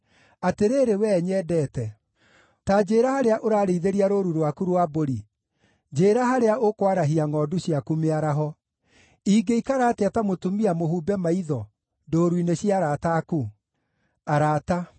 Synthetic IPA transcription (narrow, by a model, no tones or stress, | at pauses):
ateɾeːɾewɛɲɛːdɛːtɛ | tad͡ʑeːɾahaɾeaʔoɾaːɾeiðeɾiaɾoɾuɾwakuɾwaboɾi | d͡ʒeːɾaɦaɾeaʔokwaɾaɦiaŋɔːduɕjakumeaɾaɦɔ | iːɡeikaɾaːteatamotumiamoɦuːbɛmaiðɔ | ndoːɾwineɕiaɾataku | aɾata